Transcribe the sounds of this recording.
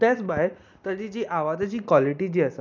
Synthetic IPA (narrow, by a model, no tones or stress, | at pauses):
t̪jat͡sbaj | t̪əɾd͡ʑid͡ʑiʔaʋat̪at͡ɕiːkʋaliʈiːd͡ʑiːəs